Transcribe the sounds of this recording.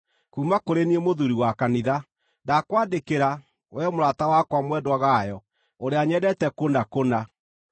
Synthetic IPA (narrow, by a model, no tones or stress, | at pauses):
kuːmakoɾeniemoðuɾiwakaniða | dakwaːdekeɾa | wɛmoɾatawakwamwɛdwaɣajɔ | oɾeaɲɛdɛtɛkonakona